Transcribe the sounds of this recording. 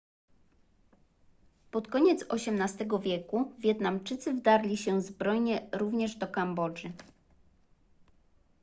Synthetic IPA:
pɔt̪kɔɲɛt̪sɔɕɛmnast̪ɛɡɔvʲjɛkuvʲjɛt̪namt͡ʂɘt̪sɘvd̪aɾlʲiɕɛzbɾɔjɲɛɾuvɲɛʐd̪ɔkambɔd͡ʐɘ

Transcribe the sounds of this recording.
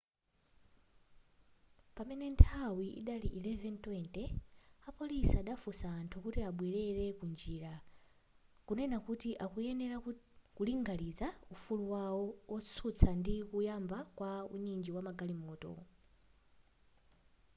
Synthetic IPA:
pamɛnɛntʰawiʔḭɗaliʔilɛvɛntwɛntɛapɔlisaːɗafusaːntʰukutiaɓwɛɾɛɾɛkund͡ʒiːɾa | kunɛnakutiʔakujɛnɛɾakuliŋɡalid͡zaufuluwawɔɔt͡sʰut͡sʰandikujambakwauɲind͡ʒiwamaɡalimɔːtɔ̰

